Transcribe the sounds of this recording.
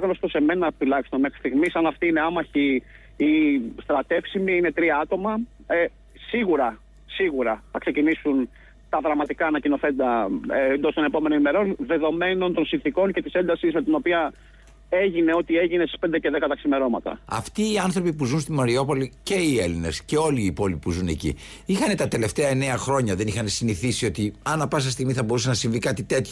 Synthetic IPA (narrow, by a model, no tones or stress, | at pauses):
ɣnost̪o̞se̞me̞nɐt̪ulɐçist̪onme̞xɾist̪iɣmisɐnɐft̪iine̞ɐmɐçi | ist̪ɾɐt̪e̞fsimiine̞t̪ɾiɐɐt̪o̞mɐ | siɣuɾɐ | siɣuɾɐθɐkse̞cinisun | t̪ɐðɾɐmɐt̪ikɐːnɐcino̞θe̞t̪it̪ɐend̪ost̪o̞ne̞po̞menonime̞ɾo̞nðe̞ðo̞me̞no̞nt̪o̞nsinθiko̞ɲce̞t̪ise̞nd̪ɐsizme̞t̪ino̞piɐ | e̞ʝine̞o̞t̪ieʝine̞si̥spe̞nd̪ece̞ðekɐt̪ɐksime̞ɾo̞mɐt̪ɐ̰ɐ̰ft̪iːɐnθɾo̞pipuzunst̪imɐɾio̞po̞lice̞ie̞line̞sce̞o̞liːpo̞lipipuzune̞cḭixɐne̞t̪ɐt̪ele̞ft̪e̞ɐene̞ɐxɾo̞ɲɐðe̞nixɐnesiniθisio̞t̪iɐnɐpɐs̬ɐst̪iɣmiθɐbo̞ɾusenɐsiɱvikɐt̪it̪e̞t̪ço